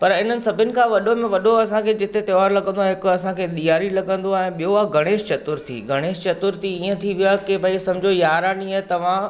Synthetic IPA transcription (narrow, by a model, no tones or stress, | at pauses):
pɐɾɪn̤ənɪ̆sɐbʱɪnɪ̆kʰãːʋɐɗomẽʋɐɗoɐsãkʰeːd͡ʑɪt̪et̪ɐʋaːɾlɐɡə̃nd̪oaːɦɪkʊɐsãkʰeːɗ̪ijaːɾilɐɡə̃nd̪oaːɛ̃ːɓijoaɡʱɐɽ̃eːʃt͡ɕɐt̪ʊɾt̪ʰḭːɡʱɐɽ̃eːʃt͡ɕɐt̪ʊɾt̪ʰiĩːə̃t̪ʰiʋijakebʱaisɐ̃md͡ʑʱojaːɾaːniaɦɛt̪ɐʋ̤ã